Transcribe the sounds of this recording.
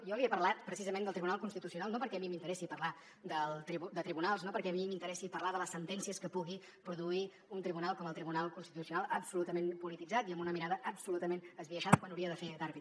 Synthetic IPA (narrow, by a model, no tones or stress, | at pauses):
jɔəβiəpəɾlat̪pɾəsizəmẽnd̪əlˠt̪ɾiβunalˠkunst̪it̪usiunalˠnopəɾkɛəmimint̪əɾɛsipərla | d̪əlˠt̪ɾiβud̪ət̪ɾiβunalˠznopəɾkɛəmimint̪əɾɛsipərlaðələsːənt̪ɛnsiəskəpuɣi | pɾuðui | unt̪ɾiβunalˠkɔməlˠt̪ɾiβunalˠkunst̪it̪usiunalˠəpsulut̪əmempulit̪id͡zat̪iəmbunəmiɾaðəʔəpsulut̪əmenəzβiəʃaðəkwanuwɾiəðəfed̪aɾβi